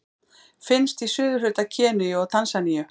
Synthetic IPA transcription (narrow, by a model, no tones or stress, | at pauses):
fɪnst̪isʏːðʏɦʏt̪acʰɛːnʏɔɣt̪ʰansanijʏ